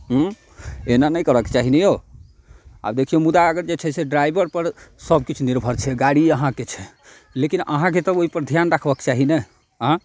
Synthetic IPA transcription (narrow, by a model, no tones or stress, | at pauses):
ɦũ | enanəjkəɾəke̥t͡ʃaɦinejo | a̰bd̪ekʰijomud̪aəɡəɾd͡ʒet͡ʃʰɛseɖɾajbəɾpəɾsəb̚kit͡ʃʰniɾbʱəɾt͡ʃʰɛɡaɽiəɦãket͡ʃʰɛ | lekinə̰ɦãket̪ɔoɦipəɾd̪ʱjanɾakʰbəket͡ʃaɦine | ɦã